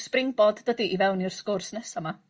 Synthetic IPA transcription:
sprɪŋbɔddədiʔivɛwnirskorsnɛsama

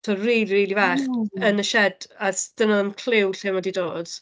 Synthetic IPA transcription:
ɔriːlˠiɾiːlˠivaːχənəʃɛdasd̥ənaənkʰl̥ɪwɬɪmɔdidoːd̥

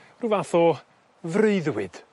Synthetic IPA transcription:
ruvaθɔ | vreɨðwɪd̥

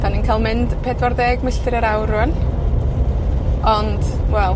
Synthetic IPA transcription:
d̥aninkʰajlˠmɪnd̥pʰedvɔrðeːɡməɬɪɾəɾawɾʊən | ɔnd̥wɛlˠ

